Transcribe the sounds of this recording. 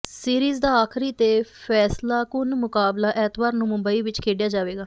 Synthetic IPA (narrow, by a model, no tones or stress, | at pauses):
siːɾiːzd̪aːaːkʰɾiːt̪eːpʰɛːslaːkʊnmʊkaːblaːʔɛːt̪baːɾnũmʊ̃mbəiːʋɪt͡ʃkʰeːɖjaːd͡ʒaːʋeːɡaː